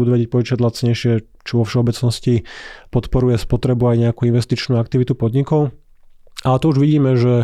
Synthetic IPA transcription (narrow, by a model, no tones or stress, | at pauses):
ud̪uʋɛɟɛc̚pɔit͡ʃaɟlat͡sɲɛjʃɪɛ | t͡ʃɔʋɔfʃɛɔbɛt͡snɔscipɔt̪pɔɾujɛspɔt̪ɾɛbuajɲɛakuːinʋɛst̪it͡ʃnuːak̚t̪iʋit̪upɔd̪ɲikɔʊ | at̪ɔuʒʋiɟiːmɛʒɛ